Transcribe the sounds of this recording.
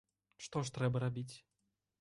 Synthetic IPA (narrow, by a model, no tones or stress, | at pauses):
ʂt̪ɔʂ̬t̪ɾɛbɐɾabʲit͡sʲ